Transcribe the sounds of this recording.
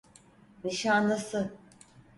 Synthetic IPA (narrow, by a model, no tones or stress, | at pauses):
niʃanlˠɯsɯ